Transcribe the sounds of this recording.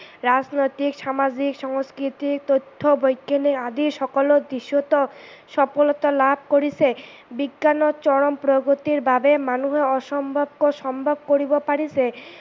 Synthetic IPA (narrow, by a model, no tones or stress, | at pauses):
ɾad͡ʑnojt̪ikʃamad͡ʑikʃɔŋskɾit̪ik̚t̪ot̪ʰːobojkʰːeniad̪iɾʃɔkolod̪iʃot̪oʃɔpolot̪olabʱkoɾisʰe | biɡːanot͡ɕɔɽompɾoɡot̪iɾbabemanuɦeɔʃɔmbʱobkoʃɔmbʱob̚koɾibopaɽisʰe